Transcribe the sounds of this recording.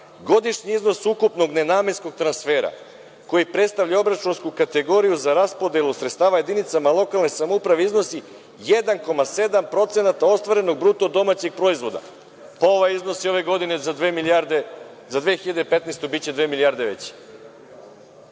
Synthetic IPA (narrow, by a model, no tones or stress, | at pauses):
ɡo̞d̪iʃɲiizno̞sukupno̞ɡnenaːme̞nsko̞ɡ̚t̪ɾansfe̞ːɾa̰ | ko̞jipɾe̞t̪st̪aʋʎao̞bɾat͡ʃunskukat̪eɡo̞ɾijuzaɾaspo̞d̪elusɾet̪st̪aːʋaje̞d̪init̪samalˠo̞kalˠnesamoupɾaʋeizno̞si | jed̪anko̞mase̞d̪ampɾo̞t̪se̞nat̪ao̞st̪ʋaɾe̞no̞ɡ̚bɾut̪o̞d̪o̞mat͡ɕix̚pɾo̞izʋo̞d̪a̰ | paoʋajizno̞sio̞ʋe̞ɡo̞d̪inezaemiaɾd̪e | zad̪ʋexiʎad̪epe̞t̪nejst̪obit͡ɕed̪ʋeːmiliaɾd̪eʋet͡ɕi̥